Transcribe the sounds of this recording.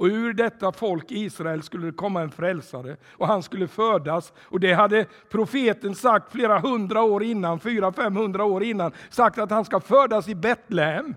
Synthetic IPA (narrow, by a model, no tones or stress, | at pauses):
ɔʉɾɖɛt̪ːafɔlkiːsɾaɛlskɵlːəd̪ɛkʰɔmːaɛnfɾɛlsaɾə | ʔɔhanskɵlːəfœːɖas | ɔd̪ɛɦad̪ːə | pʰɾʊfeːt̪ənsak̚t̪fleːɾaɦɵnd̪ɾaoːɾɪnːanfyːɾafɛmːhɵnd̪ɾaoːɾɪnːansak̚t̪at̪hanskafœːɖasɪbɛt̪lɛhɛm